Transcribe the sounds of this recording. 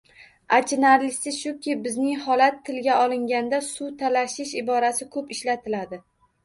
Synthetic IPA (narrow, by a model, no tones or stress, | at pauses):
at͡ʃʰɪnaɾlɪsɪʃʊkʲʰɪbɪznɪŋhɒlat̪ʰːɪlɡʲaɒlɪŋɡʲand̪asʊt̪ʰalaʃɪʃɪbɒɾasɪkʰɵpɪʃlat̪ʰɪlad̪ɪ